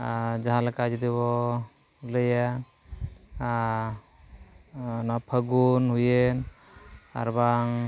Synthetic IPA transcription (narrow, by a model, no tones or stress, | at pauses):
ad͡ʒaɦalakad͡ʒd̪iβɔ | ləja | nɔpʰəɡunɦujen | a̰ɾbaŋ